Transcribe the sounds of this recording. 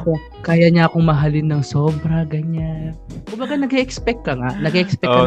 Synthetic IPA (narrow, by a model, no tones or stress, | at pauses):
ko̞ | kaːjaɲɐʔɐko̞ŋmɐɦalɪnːɐŋso̞ːbɾɐɡɐɲankʊmbɐɡanɐɡɛʔɛkspɛk̚t̪̚kːɐŋaʔnɐɡɛʔɛkspɛ